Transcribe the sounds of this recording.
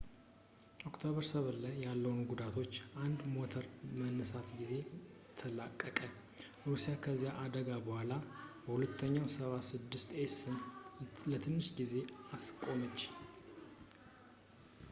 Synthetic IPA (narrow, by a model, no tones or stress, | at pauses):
ʔo̞kt̪ʰoβəɾsəβɨlːajjalːəwunɡud̪at̪ʰo̞t͡ʃːʔand̪mo̞t̪ʰəɾmənːəsat̪ɡize̞ | t̪ʰəlakʼːəkʼən | ɾusijakʰəzːijaʔad̪əɡabəhʷalabəhulət̪ʰːəɲːawsəβasɨd̪ːɨst̪esɨnlət̪ʰɨnːɨʃɡize̞askʼo̞mət͡ʃː